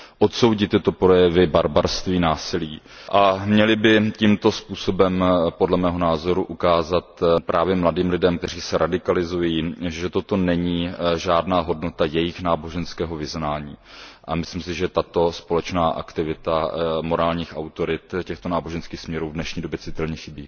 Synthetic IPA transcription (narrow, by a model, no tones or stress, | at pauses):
ʔot̪so̞wɟɪt̪ːɪt̪o̞pɾo̞jɛvɪbaɾbaɾst̪viːnaːsɪliː | ʔamɲɛlɪbɪcimt̪o̞spuːso̞bɛmpo̞dlɛmɛːɦo̞naːzo̞ɾuʔukaːzat̪pɾʔaːvjɛmladiːmlɪdɛmkt̪ɛr̝iːsɛɾʔadɪkalɪzujiːʒɛt̪ot̪o̞nɛɲiːʒaːdnaːɦo̞dno̞t̪ajɛjɪxnaːbo̞ʒɛnskɛːɦo̞vɪznaːɲiːʔamɪsliːms̬ɪʒɛt̪at̪o̞spo̞lɛt͡ʃnaːʔa̰kt̪ɪvɪt̪amo̞ɾaːlɲiːxawt̪o̞ɾɪt̪cɛxt̪onaːbo̞ʒɛnskiːxsmɲɛɾuːvdnɛʃɲiːdobjɛt͡sɪt̪ɛlɲɛxɪbḭː